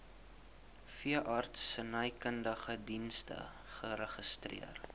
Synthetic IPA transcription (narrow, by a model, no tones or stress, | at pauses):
fiəʔɑrtsənəjkəndəχədinstə̰ | χəɾəχəstrḭər